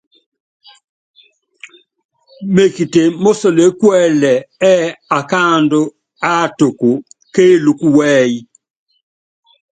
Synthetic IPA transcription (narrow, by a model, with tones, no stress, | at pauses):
me˨ki˨te˨mo˦so˨le˨˦kwɛ˦˨lɛ˨ɛ˦a˨ka˦˨ndo˦ | a˦˨to˨ko˨keː˦lu˨ku˦wɛ˦i˦